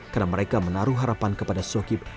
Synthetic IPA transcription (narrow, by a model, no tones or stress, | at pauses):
karnaməɾekamənaɾuɦaɾapankəpadasokɪp̚